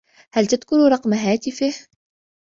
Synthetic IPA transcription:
hælt̪əd̪kʊɾuɾˤɑqmaɦæt̪əfih

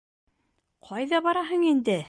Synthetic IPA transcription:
qʰɑjðɑβɑɾɑɦɤɴind̪ɘ

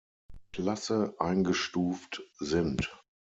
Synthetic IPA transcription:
kʰlasəʔaɪnɡəʃtuːftzɪnt

